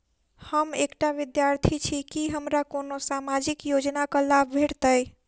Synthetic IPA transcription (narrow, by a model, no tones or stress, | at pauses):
həmekʈaʋid̪jaɾt̪ʰit͡ʃʰikiɦəmɾakonosamad͡ʒikjod͡ʒnakəlabʱbʱeʈt̪əj